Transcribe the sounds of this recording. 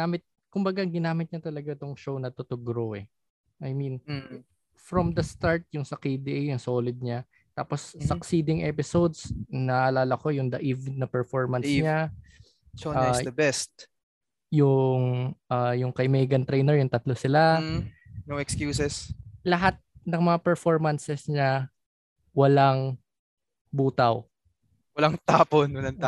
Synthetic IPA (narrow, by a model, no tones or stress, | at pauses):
ɪaːmɪt̪̚ | kʊmbɐɡaɐŋɡɪnaːmɪt̪̚ɲɐt̪ɐlɐɡaɪt̪oŋʃownɐt̪ot̪ʊɡɾoɛ | ʔɐjmin | fɹɔmd̪ɐst̪aɹt̪̚jʊŋsɐkid̪iʔejʊŋsoːlɪd̪̚ɲa | t̪aːposːɐksiːd̪ɪŋʔɛpɪsowd̪snɐʔɐlaːlɐko̞jʊŋd̪ɐʔivnɐpɛɹfoɹmɐnsɲa | t͡ʃoasɐbɛst̪̚ | jʊŋʔajʊŋkɐjmɛːɡɐnt̪ɾɛjnɛɹjʊŋt̪ɐt̪losɪla | jʊŋɛkskjuːsɛslɐɦat̪̚nɐŋmɐŋapɛɹfoɹmɐnsɛsɲa | wɐlaŋ | buːt̪aw | wɐlaŋt̪aːponwɐlɐŋ